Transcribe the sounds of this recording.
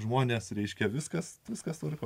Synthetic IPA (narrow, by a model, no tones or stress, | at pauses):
ʒmoːnʲeːsɾʲɛɪʃʲkʲɛʋʲɪskɐsʋʲɪskɐst̪ɐɾʲɪk